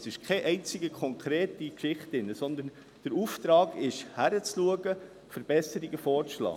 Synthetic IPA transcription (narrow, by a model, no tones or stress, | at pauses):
sɪʃkʰɛʔɛɪnt͡sɪɡəkʰɔŋkʰɾeːtikʃɪχtɪnːəsɔnd̪ən | d̥əɾuːft̪ɾɑːɡɪʃhæɾət͡sluəɡə | fəɾb̥ɛsəɾiɡəfɔːɾlɑ̰ː